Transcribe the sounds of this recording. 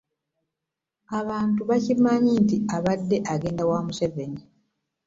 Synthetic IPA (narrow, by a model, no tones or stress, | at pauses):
aβaːntuβacimːaɲiːntiaβadːe̞ʔaɡe̞ːndawaːmuse̞ve̞ni